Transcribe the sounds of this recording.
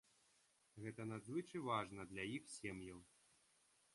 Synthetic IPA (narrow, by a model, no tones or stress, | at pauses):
ɣɛt̪ɐnad̪zvɨt͡ʂɨvaʐnɐd̪lʲajixsʲɛmjɐw